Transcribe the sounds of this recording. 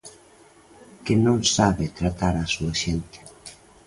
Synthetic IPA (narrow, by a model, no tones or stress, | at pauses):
kenõŋsaβet̪ɾat̪aɾasuaʃent̪ɪ̥